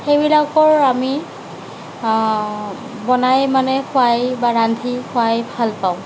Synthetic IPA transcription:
xejbilakɔɹami | bɔnajmanɛxʰʊajbaɹandʱixʊajbʱalpaʊ̃

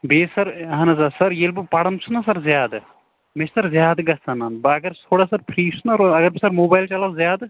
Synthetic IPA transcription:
beːsɐɾɦɐnɐzasɐɾjelbupɐɽɐmt͡ʃʰunɐsɐɾzjaːd̪ | met͡ʃʰsɐɾzʲjaːd̪ɡɐsɐnanbɐɐɡɐɾsʰoːɽaːsɐɾpʰɾiːsʰunɐɾɐɡɐɾbisɐɾmoːbaːjlt͡ʃɐlɐzjaːd̪

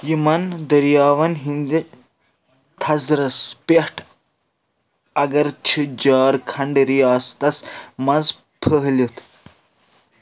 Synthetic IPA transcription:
jimɐnd̪ɐɾjaːʋɐnɦind̪i | t̪ʰɐzɾɐspeʈʰ | ɐɡɐɾt͡ʃʰid͡ʒaːɾkʰɐɳɖɾijaːst̪ɐsmɐnz | pʰəɦlʲit̪ʰ

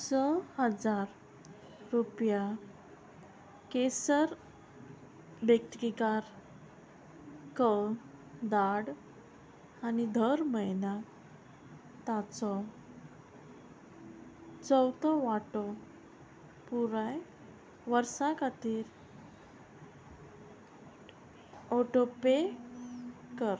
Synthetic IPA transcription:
səhəd͡zaɾː | upja | kesəɾ | bək̚t̪kikaɾ | kə | d̪aɽ | anid̪ʱəɾməjna | t̪at͡sɔ | t͡səwt̪ɔʋaʈɔ | puɾaj | ʋəɾsãkat̪iːɾ | ɔʈope | kəɾ

